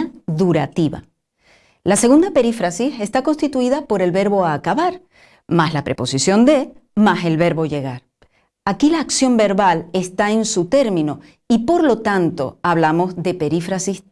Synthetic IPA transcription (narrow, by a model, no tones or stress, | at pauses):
ðuɾat̪iβa̰ | lase̞ɣund̪ape̞ɾifɾasise̞st̪ako̞nst̪it̪uiðapo̞ɾe̞lβe̞ɾβo̞aːkaβaɾ | maslapɾe̞po̞sisjo̞nd̪e̞mase̞lβe̞ɾβo̞ʝe̞ɣ̞aɾ | akilaːksjo̞mbe̞ɾβalest̪aensut̪e̞ɾmĩno | ipo̞ɾlo̞t̪ant̪o̞aβ̞lamo̞zðe̞pe̞ɾifɾasis